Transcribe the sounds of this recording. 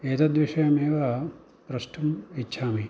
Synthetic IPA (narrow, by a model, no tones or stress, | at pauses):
eːt̪ɐd̪ʋiʂɐjɐmeːʋɐ | pɾɐʂʈʰɐmitːʃʰaːmi